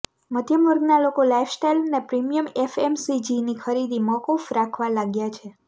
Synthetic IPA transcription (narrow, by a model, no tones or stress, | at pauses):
mət̪jəmuɾɡnalokolajfʰsʈejlnepɾimijəmefemsid͡ʒinikʰəɾid̪imɔkofɾakʰʋalaɡjat͡ʃʰe